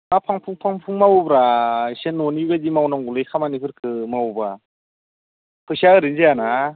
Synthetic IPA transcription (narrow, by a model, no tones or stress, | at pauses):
mapʰaŋpʰuŋpʰaŋpʰuŋmawubɾasenːɔnibedimawnaŋɡulɯjkʰamanikʰɯɾkʰɯmawba | pʰɯsaɯɾɯnzejana